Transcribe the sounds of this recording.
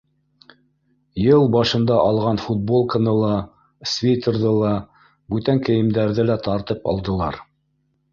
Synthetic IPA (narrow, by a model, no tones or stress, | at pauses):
jɤlˠbɑʃɤ̆nd̪ɑʔɑlˠʁɑnfut̪̚bolˠkɤ̆nɤlˠɑ | svʲejt̪ɤɾðɤlˠɑ | bʉt̪æŋkɘ̆jɘ̆md̪æɾðɘlæt̪ɑɾt̪ɤpɑ̰lˠd̪ɤ̆lˠɑɾ